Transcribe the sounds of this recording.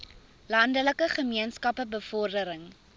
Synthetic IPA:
lɐndələkəχəmiənskɐpəbəfɔrdəɾəŋ

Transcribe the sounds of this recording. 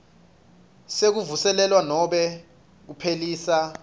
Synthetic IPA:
sek̬uvusɛlɛlwanɔɓɛ | k̬upʰeliːsa

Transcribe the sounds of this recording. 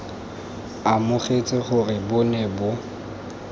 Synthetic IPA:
amʊχet͡sʼɪχʊrɪbʊnebʊ

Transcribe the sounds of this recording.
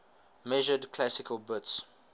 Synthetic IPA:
mɛʒədkʰlasɪkʰəlˠbʊts

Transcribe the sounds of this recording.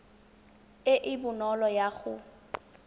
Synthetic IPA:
ɪʔɪbʊnɔlɔjaɣʊ

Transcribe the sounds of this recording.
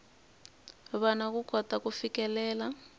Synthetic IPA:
βanak̬uɡ̥ʰʱɔtakufikɛlɛːla

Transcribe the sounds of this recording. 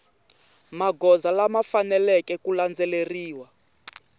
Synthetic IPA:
maɡɔzalamafanɛlɛkɛkuland͡zɛleriːwa

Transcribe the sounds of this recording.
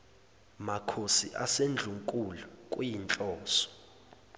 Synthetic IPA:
makʰosiʔasend͡ɮʱuŋkʼulukʼujint͡ɬʼɔːsɔ̥

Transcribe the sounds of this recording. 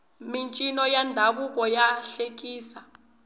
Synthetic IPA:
mint͡ʃʼinɔjandʱaɓuk̬ɔjaɬek̬ʼiːsa

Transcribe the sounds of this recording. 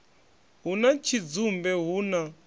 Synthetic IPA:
ɦunat͡ʃʰid͡zumbɛɦuːna

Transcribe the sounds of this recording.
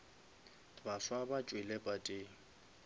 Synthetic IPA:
baswabat͡ʃʼwɪlɛpʼatʼɪːŋ̩

